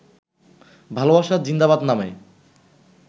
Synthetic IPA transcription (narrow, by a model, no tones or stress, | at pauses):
bʱalobaʃad͡ʑind̪aβad̪name